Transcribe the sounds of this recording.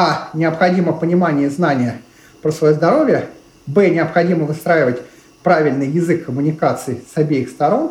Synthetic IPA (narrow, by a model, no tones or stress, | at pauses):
anʲɪɐpxɐdʲiməpənʲɪmanʲɪjəznanʲɪjə | pɾəsvɐjozd̪ɐɾo̞vʲɪjə | bɛnʲɪɐpxɐdʲiməvɨst̪ɾajɪvətʲ | pɾavʲɪlʲnɨjːɪzɨkʰːəmʊnʲɪkat̪sɨɪsɐbʲejɪxst̪ɐɾo̞n